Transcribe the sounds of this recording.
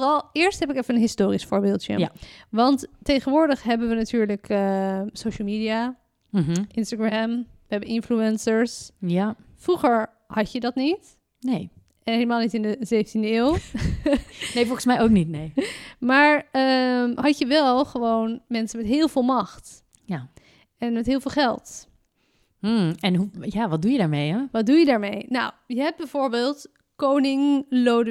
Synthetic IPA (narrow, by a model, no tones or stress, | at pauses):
fərɑlˠɪːɹsthɛpɪkɛfənənɦɪstoːrisfʊːɹbɪːlˠtjə̰ʋɑnttːejχənʋʊːɹdəχɦɛbənʋənatyːɹləkəsowʃəlˠmidia | ʔɪnstaɡrɛmʋəɦɛbənɪnfluɛnsəɹs | fruχəɹ | hɑcjədɔtnit | neː | ɛnɦeləmaːlˠnitɪndəzeːfəntindəew | nejfolˠχənsmɛjowknitnejmaːɹəhɑcjəʋɛlˠχəʋownmɛnsənmɛtɦɪːlˠvɪːlˠmɑxt | ja | ɛnmɛtɦɪːlˠvɪːlˠχɛlˠt | ɛnɦujaʋɔt̚dujədaːɹmejɛʋɔt̚dujədaːɹmejnɔwjəɦɛbɛjvoːɹbeːlˠt | kownɪŋlowd